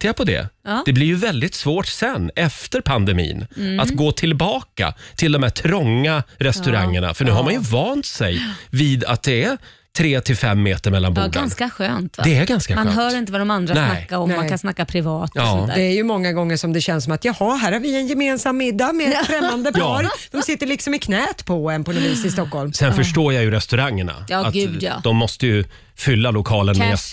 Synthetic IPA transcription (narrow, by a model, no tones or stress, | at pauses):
t̪ʰɛpʰɔd̪ɛ̰d̥̪ɛblɪɾjɵvɛld̪ɪt̪svoːʈsɛnːʔɛft̪əɾpʰand̪ɛmḭːnʔatt̪ɡoːt̪ʰɪlbɑːka̰t̪ʰɪld̪ɔmhæʈʰɾɔŋːaɾɛst̪ɵɾa̰ŋːəɳa̰fœɳʉhaɾmanjɵvɑːnt̪sɛjviːd̪a̰t̪̚d̪ɛæ | t̪ʰɾeːt̪ʰɪlfɛmːeːt̪əɾmɛlːanbuanskaɧøːnt̪d̪ɛæɾɡanskamaɦœːɾɪnt̪əvad̪ɔmand̪ɾansɛnakːaɔmːakʰansnakːapʰɾɪvɑːt̪ɑːd̪ɛæɾjɵmɔŋːaɡɔŋːəʂɔmd̪ɛɕɛnsɔmat̪jɑːhaɦæːɾhaɾvɪɛnjɛmeːnsamːɪd̪ːamɛfɾɛmːand̪əpɑːɾd̪ɔmsɪt̪ːəɭɪksɔmɪkʰnɛːt̪pʰɔɛnpʰɔnɔviːsɪst̪ɔkhɔlmsɛnfœʂʈoːjajɵɾɛst̪ɵɾaŋːəɳa̰ɑatʉd̪ɔmːɔst̪əjɵ | fʏlːalʊkʰɑːlənmɛ